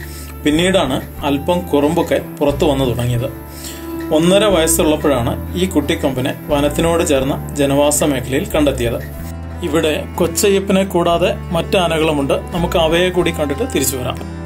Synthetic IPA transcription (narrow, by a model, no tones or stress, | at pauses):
pinːiːɽaːɳɨ | ɐlpɐmkurɐmbukːɐpurɐt̪ːɨʋɐnːɐt̪uɽɐŋːijɐðɨ | o̞nːɐɾɐʋɐjɐsɐuɭːɐpːɐɻaːɳɨiːkuʈːikːɐmbɐneʋɐnɐt̪ːino̞ːɽɨt͡ɕe̞ːrnːɐd͡ʑe̞nɐʋaːsɐme̞ːkʰːɐlɐjilkɐɳɖe̞t̪ːijɐðɨ | iʋiɽe̞ko̞t͡ɕːɐjɐpːinekːuːɽaːðe̞ | mɐtːɨɐnɐɣɐɭumuɳɖɨnɐmukːɨɐʋɐjɐkuːɽikːɐɳɖiʈːɨt̪iɾit͡ɕːuʋɐɾa̰ːm